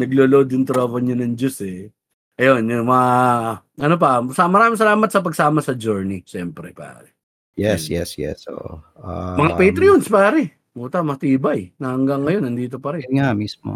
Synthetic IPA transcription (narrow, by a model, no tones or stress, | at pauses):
nɐɡloːlood̪jʊŋt̪ɾovɐɲonɐŋd͡ʒosɛ | ʔɐjonjʊŋmɐ | ɐnop̬ɐsamɐɾaːmɪŋs̬ɐlaːmɐt̪sɐp̬ɐɡsaːmɐsɐd͡ʒoɹniʃɛmpɾɛpa̰ːɾɛ | jɛsjɛ̰sjɛ̰sʔo̰ʔoomɐŋapejt̪ɾɪonspaːɾɛ | muːt̪ɐmɐɐt̪iːbɐjnɐhɐŋɡɐŋːɐjo̞nɐnd̪iːt̪o̞pɐɾɛŋamismo̰